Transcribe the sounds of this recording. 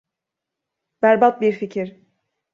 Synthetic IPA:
bæɾbat̪̚biɾficʰiɾ

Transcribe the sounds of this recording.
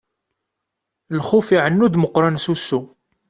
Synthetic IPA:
lxufiʕənːud̪məqːɾˤɑnsusːu

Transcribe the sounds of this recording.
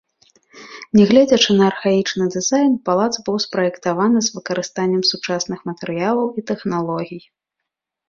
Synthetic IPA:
nʲɛɣlʲɛd͡zʲɐt͡ʂɨnɐːrxait͡ʂnɨd̪ɨzajnpalˠad̪zbɨwspɾɐjɛkt̪avanɨzvɨkɐɾɨst̪anʲːɛmsut͡ʂasnɨxmɐt̪ɛɾɨjalˠɐwit̪ɛxnalˠɔɣʲij

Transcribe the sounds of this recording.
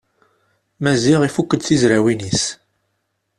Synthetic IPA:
mæziʁifukːəd̪θizɾæwinis

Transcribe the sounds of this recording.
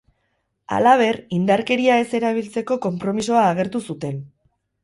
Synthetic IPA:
a̰laβ̞e̞rind̪aɾke̞ɾiae̞se̞ɾaβ̞ilt͡se̞ko̞ko̞mpɾo̞miso̞aːɣ̞e̞ɾt̪usut̪e̞n

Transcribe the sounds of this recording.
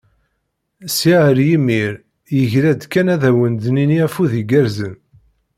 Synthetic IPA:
siʕəɾjimːiɾ | jəʝɾæd̪kːænæðæwənd̪niniæfuðiɡæɾzən

